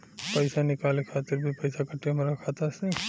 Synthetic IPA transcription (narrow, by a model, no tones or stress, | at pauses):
pəɪsanɪkaːlekʰaːt̪ɪɾbʱipəɪsakəʈijomeɾɐkʰat̪ase